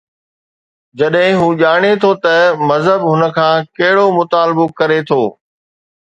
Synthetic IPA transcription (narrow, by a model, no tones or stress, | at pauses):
d͡ʑɐɗɦɪ̃ɦũːʄaːɽ̃et̪ʰot̪ɐmɐzɦəbɦʊnə̆kʰãːkɐɦɪɽomʊt̪aːlɪbokɐɾet̪ʰoː